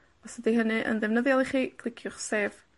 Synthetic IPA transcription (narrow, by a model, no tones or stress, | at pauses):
ɔsədiɦənɨʔə̰ndɛvnəðjalˠiχiːkʰlˠɪkʰjʊχseːv̥